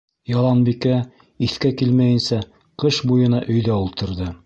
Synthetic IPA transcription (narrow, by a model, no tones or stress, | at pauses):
jɑlˠɑnbikæ | iθkækilmæjɘ̆nsæ | qɤʃbujɤ̆nɑʔɵ̆jðæulˠt̪ɤ̆ɾðɤ